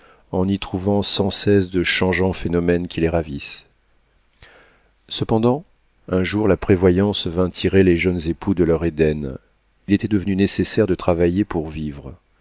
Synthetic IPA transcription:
ɑ̃nit̪χuvɑ̃sɑ̃sɛsd̪əʃɑ̃ʒɑ̃fenɔmɛnkʲileʁavis | səpɑ̃d̪ɑ̃ | ɛ̃ʒuʁlapχevwajɑ̃svɛ̃t̪ʰiʁeleʒənzepʰud̪əlœʁed̪ɛn | ilet̪ɛd̪əvənynesesɛʁd̪ət̪χavajepuʁvivʁ

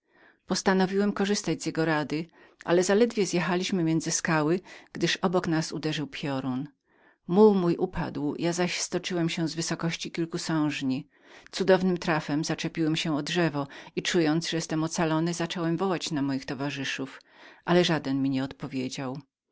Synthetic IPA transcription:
pɔst̪anɔvʲiwɛmkɔʐɘst̪ad͡ʑzʲjɛɡɔɾad̪ɘ | ʔa̰lɛzalɛd̪vʲjɛzjɛxalʲiɕmɘmʲjɛnd̪zɘskawɘɡ̥d̪ɘʂɔbɔknasud̪ɛʐɘwpʰʲjɔɾun | muwmujʔupʰa̰d̪wjʔazaɕst̪ɔt͡ʂɘwɛmɕɛ̃zvɘsɔkɔɕt͡ɕikʲilkusɔ̃w̃ʐɲi | t̪sud̪ɔvnɘmt̪ɾafɛmzat͡ʂɛpʲiwɛmɕɛɔdʐɛvɔit͡ʂujɔnt̪zʐɛjɛst̪ɛmɔt̪salɔnɘzat͡ʂɔwɛmvɔwat͡ɕnamɔjixt̪ɔvaʐɘʂufʔalɛʐad̪ɛnmʲiɲɛɔt̪pɔvʲjed͡ʑaw

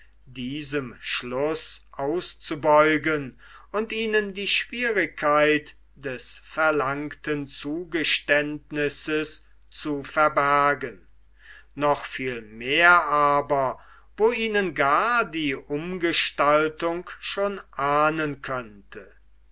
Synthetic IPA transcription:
diːzəmʃlʊsʔaʊst͡subɔʏɡən | ʊntiːnəndiːʃv̥iːʁɪkʰːaɪt | d̥ɛsfɛɐlaŋktənt͡suːɡəʃtɛntnɪsəs | t͡sufɛɐbæɐɡən | nɔχfiːlmeːɐʔaːbɐ | voːiːnənɡaːɐdiːʔʊmɡəʃtaltʊŋkʃoːnʔaːnənkʰœntʰə

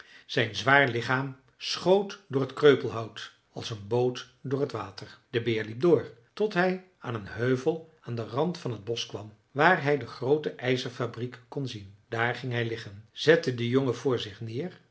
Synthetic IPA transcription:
z̥ɛjnzʋaːɹlɪχaːm | sχowtdʊːɹɦətkrøɥpəlˠɦʌwt | ɑ̰lˠsənbowt | dʊːɹɦətʋaːtəɹd̥əbɪːɹlip̚dʊːɹtɔtɦɛj | aːnənɦøɥvəlˠaːndərɑntfɑnɦəd̚bɔskʋɑm | ʋaːɹɦɛjdəχrowtəʔɛjzəɹfabrikkɔnzind̥aːɹχɪŋɦɛjlɪχənz̥ɛtədəjoŋəvʊːɹzɪχnɪːr

